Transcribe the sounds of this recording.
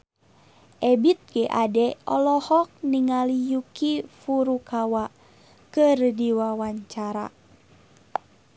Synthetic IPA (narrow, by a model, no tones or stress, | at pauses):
ʔɛbit̪̚ɡ̥eʔadɛɔ̰lɔhɔk̚niŋalijukifuɾukawa | kɨrdiwawaɲt͡ʃaɾa̰